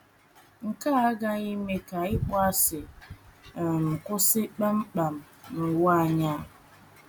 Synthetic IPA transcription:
ŋ̩˨ka˦a˦ɡa˦i˦me˦ka˨ɪ˦k͡pɔ˦a˦sɪ˨ | m̩˨kʊ˦sɪ˦k͡pa˦m̩˦k͡pa˨m̩˨ | nʊ˨wa˦˨ɲa˦

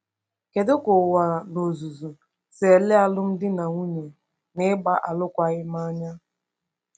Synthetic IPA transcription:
ke˨dʊ˦kʊ˨wa˨no˨zu˨zu˨ | se˨le˦a˦lʊ˦m̩˦dɪ˦na˨ŋu˦ɲe˨ | nɪ˦ɡ͡ba˦ʔa˨lʊ˦kʷa˦ɣɪ˦m˦a˦ɲa˦

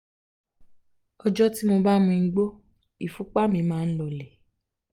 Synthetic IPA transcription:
ɔ˧d͡ʒɔ˦ti˦mo˧ba˦mũ˧˦ɡ͡bo˦ | i˨fu˨˦k͡pa˦mĩ˧mãː˦n̩˦lɔ˧le˨

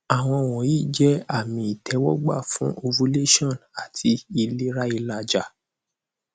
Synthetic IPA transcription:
a˨w̃ɔ̃˧˨w̃ɔ̃˨iː˦˨d͡ʒɛ˦a˦˨mĩ˧i˨tʰɛ˨˦wɔ˦ɡ͡ba̰˦˨fũ˦ʔo˧vu˧˦le˦ʃɔ̃˦˨na˨tʰi˧i˧le˦ɾa˦i˧la˧d͡ʒa˨

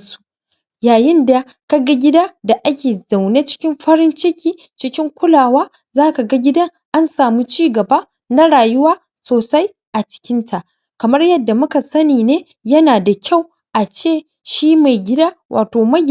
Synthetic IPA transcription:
su˦ | jaː˨jɪ˦nda˨ | ka˦ɡa˦ɡʲɪ˦daː˦da˨ʔa˦kʲeː˨za˨wneː˦t͡ʃɪ̥˦kʲɪ˦mɸɐ˦ɾɪ˦nt͡ʃɪ˦kʲiː˦ | t͡ʃɪ˦kʲɪ˦ŋkʷʊ˦laː˨waː˦ | zaː˦ka˨ɡa˦ɡʲɪ˦dɐ˦ŋ | ʔa˦nsaː˨mu˦t͡ʃiː˦ɡɐ˨baː˦ | na˦ɽaː˨jʊ˦waː˦ | soː˨sa˦j | ʔa˨t͡ʃɪ̥˦kʲɪ˦ntʰa˨ʔ | kɐ˨mɐ˦rjɐ˦dːa˨mʊ˦ka˨sɐ˦niː˨neː˦ | jɐ˦naː˨da˨kʲa˦˨w | ʔa˨t͡ʃeː˦˨ | ʃiː˦ma˨jɡʲɪ˦daː˦wʔa̰ː˨toː˨mɐ˦j

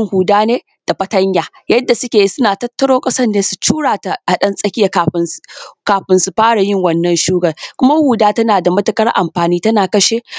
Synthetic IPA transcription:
ŋhuː˨daː˦neː˦ | d̥a˨ɸɐ˨tɐ˦ɲjaː˨ | jɐ˦dːa˨sʊ˦kʲeː˨ji˦sʊ˦naː˨tɐ˦tːɐ˦ɽoː˦kʼɐ˦sɐ˦nneː˦su̥˨t͡ʃuː˦ɽaː˨ta˨ʔa˨ɗɐ˦nsʼɐ˦kʲɪ˦ja˨a˨ɸkaː˨ɸɪ˨nsu˨ɸaː˦ɽa˨jɪ˦ŋwɐ˦nːɐ˨nʃuː˦ɡɐ˨rkʷʊ˦ma˦huː˨daː˦tɐ˦naː˨da˨mɐ˦tɐ˦kɐ˦rʔa̰˨mɸaː˨niː˦tɐ˦naː˨kɐ˦ʃeː˦

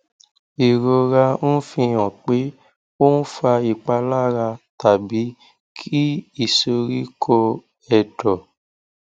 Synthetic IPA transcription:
i˨ɾo˧ɾa˧ñ̩˦fĩ˧jɔ̃˨k͡pe˨˦ | o˦n̩˦fa˧i˨k͡pa˧la˦ɾa˧ta˨bi˨˦ | kʰi˦i˦˨so˧ɾi˦kʰo˧ | ɛ˨dɔ˨

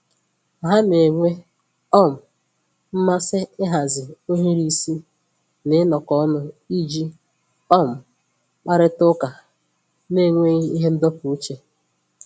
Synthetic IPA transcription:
a˨ɦa˦ne˨ŋʷe˦ | ɔ˦˨m̩˨ | m̩˦ma˦sɪ˦ɪ˦ɦa˨zɪ˨o˦ɦi˦ɾi˦si˦ | nɪ˦nɔ˨kɔ˦nʊ˦i˦d͡ʒi˦ | ɔ˦˨m̩˨ | k͡pa˦ɾɪ˦tʊ˦ka˨ | ne˦˨ŋʷe˦i˦i˦ɦe˦n̩˦dɔ˦pu˨u˦t͡ʃe˨

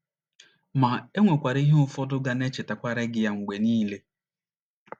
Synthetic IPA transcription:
ma˨e˦ŋʷe˨kʷa˨ɾi˦ɦe˦ʊ˦fɔ˦dʊ˦ɡa˨ne˦t͡ʃe˨ta˨kʷa˦ɾe˦ɡɪ˦ja˦ŋ̩˨ɡ͡be˨niː˦le˦

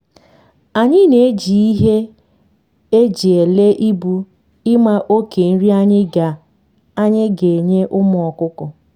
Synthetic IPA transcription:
a˨ɲɪ˦ne˨˦d͡ʒi˨i˦ɦe˦ | e˦d͡ʒi˨e˨le˦ʔi˦bu˦ | ɪ˦ma˦ʔo˦ke˨n̩˦ɾi˦a˦ɲɪ˦ɡa˨ | a˦ɲɪ˦ɡe˨ɲe˦ʔʊ˦mʊ˨ɔ˨kʊ˦kɔ˨

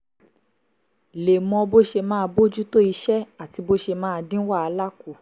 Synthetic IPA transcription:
le˨mɔ̃˧bo˦ʃe˧mãː˦˧bo˦d͡ʒu˦to˦i˧ʃɛ˦a˦˨ti˧bo˦ʃe˧mãː˦˧dĩ˦wa˦˨a˧la˦ku˨

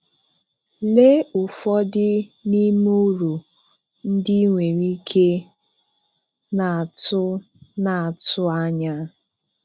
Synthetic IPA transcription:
le˦ʊ˨fɔ˦dɪ˦ni˦m˦u˦ɾu˨ | n̩˦di˦ŋʷe˨ɾi˦kʰe˦ | na˨a˨tʊ˦ | na˨a˨tʊ˦a˦ɲa˦

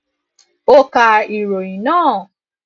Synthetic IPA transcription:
o˦ka˧i˨ɾo˨i˨nãː˦˨

